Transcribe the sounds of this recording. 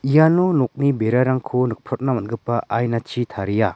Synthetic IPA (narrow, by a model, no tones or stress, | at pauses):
ijanɔnɔk̚nibeɾaɾaŋkʰunɯk̚pʰɾɔt̚namɐnɡɯpaʔajnat͡ʃʰit̪ʰaɾija